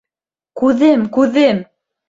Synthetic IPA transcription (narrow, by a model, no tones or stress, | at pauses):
kʉðɘmkʉðɘm